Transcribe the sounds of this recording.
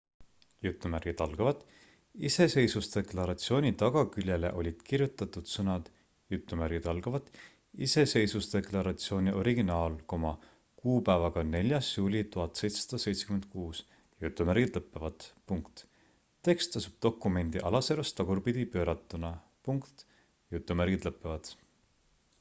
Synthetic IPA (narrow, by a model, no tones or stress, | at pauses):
jut̪ːˑumærɡ̥id̪ɑlɡ̥ɑvɑt̪ːˑ | ise̞se̞jsusd̪e̞klɑɾɑt̪sio̞ːnʲit̪ɑɡ̥ɑkylʲjele̞̰ʔo̞lʲid̪̥kirjut̪ːˑɑt̪ːˑud̪̥sɤnɑd̪̥ | jut̪ːˑumæɾɡ̥id̪ɑlɡ̥ɑvɑt̪ːˑ | ise̞se̞jsust̪e̞klɑɾɑt̪sio̞ːnʲiʔo̞ɾiɡinɑːlko̞mɑ | kuːpæːvɑɡ̥ɑne̞lʲjɑsjuːlʲit̪uɦɑt̪ːse̞jt̪se̥sɑ̥d̪̥ɑse̞jt̪se̥kyme̞nd̪̥̚kuːs | jut̪ːˑumæɾɡ̥id̪lɤpːˑevɑd̪̥puŋkt̪ | t̪ːe̞kst̪ˑɑsub̥̚d̪̥o̞kːˑume̞nd̪̥iʔɑlɑseɾɑst̪ɑɡurpid̪̥ipø̞ːɾɑt̪ːˑunɑ | puŋkt̪ | jut̪ːˑumæɾɡid̪lɤpːˑevɑd̪̥